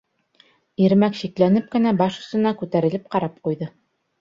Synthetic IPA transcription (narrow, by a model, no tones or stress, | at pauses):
iɾmækʃiklænɘp̚kɘ̆næbɑʃɵ̆st̪ɤ̆nɑkʉt̪æɾɘ̆lɘp̚qɑɾɑp̚qujðɤ